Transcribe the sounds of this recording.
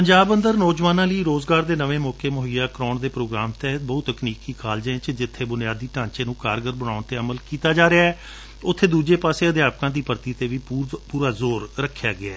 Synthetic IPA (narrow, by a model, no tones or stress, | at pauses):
pəɲd͡ʒaːbə̃nd̪əɾnoːzʋaːnãːləiːɾoːzɡaːɾd̪eːnəʋẽːmɔːkeːmʊɦəjaːkɾɔːɳd̪eːpɾoːɡɾaːmt̪ɛːɦt̪̚bəut̪ːəkniːkiːkʰaːld͡ʒẽt͡ʃd͡ʒɪt̪ʰːeːbʊnɪjaːd̪iːʈãːɲt͡ʃeːnũːkaːɾɡəɾbənaːʊɳt̪eːəməlkiːt̪aːd͡ʒaːɾɪaːɛː | ʊt̪ʰːeːd̪uːd͡ʒeːpaːseːəd̪jaːp̚kãːd̪iːpəɾt̪iːt̪eːʋiːpuːɾaːzoːɾɾəkʰːjaːɡɪaː